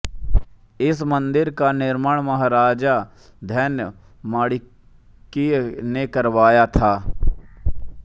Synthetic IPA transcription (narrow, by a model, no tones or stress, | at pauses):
ɪsmə̃nd̪ɪɾkanɪɾməɽ̃mɐɦaːɾaːd͡ʒa | d̪ʱjəːnjə | maːɽi | kinekəɾʋaːjat̪ʰaː